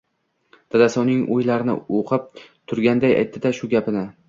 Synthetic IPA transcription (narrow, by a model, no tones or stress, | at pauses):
d̪̥ad̪asɒnɪŋʔojlaɾɪnɪ̰oqʰɨp̚t̪ʰʊɾɡʲand̪aja̰jt̪ʰːɪd̪aʃʊɡʲapɪnɪ